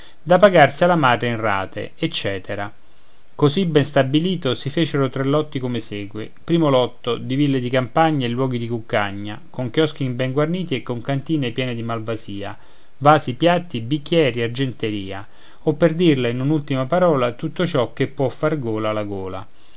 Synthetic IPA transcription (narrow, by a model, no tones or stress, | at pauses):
d̪apaɡarsialamad̪ɾeinra̰ːt̪ḛet͡ʃːɛːt̪ʰeɾa | kozibɛnst̪abːiliːt̪osifeːt͡ʃeɾot̪ɾelːɔt̪ːikomesɛːɡwḛ | pɾiːmolɔt̪ːod̪ivilːed̪ikampaɲːaelːwɔːɡid̪ikukːaɲːa | koŋkjɔsk̟imbɛŋɡwarniːt̪iekːoŋkant̪iːnepjɛːned̪imalvaziːa̰ | vaːsipjat̪ːibikːjɛːɾiard͡ʒent̪eɾiːa̰ | opːerd̪irleinunult̪imapaɾɔːlat̪ut̪ːot͡ʃɔkːepːwɔfːarɡoːlalaɡoːla̰